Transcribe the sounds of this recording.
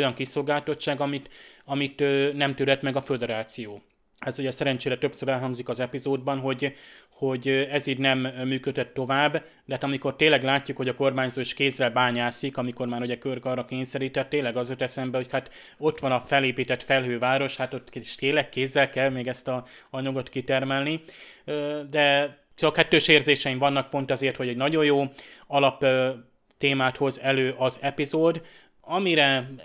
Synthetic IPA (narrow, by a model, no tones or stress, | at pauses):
ojɒŋkiso̞lɡaːlt̪o̞tt͡ʃt͡ʃːaːɡɒmit̪ɒmit̪ːnɛmt̪yːɾɛt̪mɛɡɒfød̪ɛɾaːt̪sijoː | ɛzuɟɛsɛɾɛnt͡ʃeːɾɛt̪ø̞psøɾɛlɦɒŋɡzikɒzɛpizoːd̪̚bɒnɦo̞ɟho̞ɟɛziːd̪nɛmːyːkød̪ɛt̪ːo̞vaːbː | d̪ɛɦat̪ɒmiko̞rt̪eːnlɛɡlaːcːukhoɟɒko̞rmaːɲzoːiʃkeːzːɛlbaːɲaːsikɒmiko̞rmaːɾuɟɛkørkɒːrɒkeːɲsɛɾiːt̪ɛt̪ːeːnlːɛɡɒzot̪ɛsɛmbɛho̞chat̪ | o̞t̪ʋɒnɒfɛleːpiːt̪ɛt̪fɛlɦøːvaːɾo̞ʃhat̪ot̪kʃt̪eːlːɛkkeːzːɛlkɛlmeːɡɛst̪ɒɒɲoɡo̞t̪kit̪ɛrmɛlni | d̪ɛ | t͡ʃɒkhɛt̪ːøːʃeːrzeːʃɛiɱvɒnːɒk̚po̞nt̪ɒzeːrt̪ho̞ɟɛɟnɒɟo̞joːɒlɒp | t̪eːmaːt̪ho̞zɛløːʔɒzɛpizoːd̪ | ɒmiɾɛ